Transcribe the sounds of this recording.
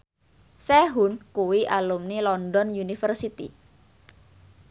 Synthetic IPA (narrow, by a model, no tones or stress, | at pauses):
sɛɦunkuwiʔalumnilɔndɔnjunifərsit̪ḭ